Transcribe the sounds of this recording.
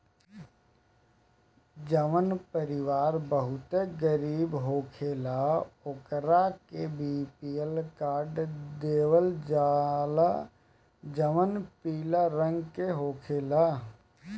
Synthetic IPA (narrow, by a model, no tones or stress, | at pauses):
d͡ʒəmənpəɾɪʋaːɾbəɦʊt̪eɡəɾiːbɦoːkʰeːlaokɾakebiːpiːəlkaːɾɖd̪eːwəld͡ʒala | d͡ʒəmənpiːlaɾə̃ŋɡkeɦoːkʰeːlaː